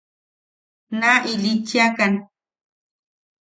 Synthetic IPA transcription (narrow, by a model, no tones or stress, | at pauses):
naʔilit͡ʃiakan